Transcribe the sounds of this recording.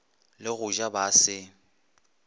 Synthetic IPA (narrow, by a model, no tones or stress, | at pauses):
lɪɣʊʒabasɪ